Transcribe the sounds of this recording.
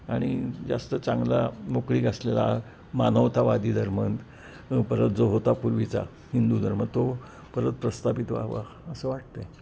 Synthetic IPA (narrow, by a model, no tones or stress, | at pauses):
aɽ̃id͡za̰st̪ət͡saŋɡlamokɽiːɡaslela̰ | manəʋt̪aʋad̪iːd̪ʱəɾmənt̪ | pəɾət̪̚d͡zoɦot̪apuɾʋit͡sa̰ | hind̪ud̪ʱəɾmənt̪o | pəɾət̪̚pɾəst̪apit̪ʋa̰ʋa̰ | əsəʋaʈ̚t̪e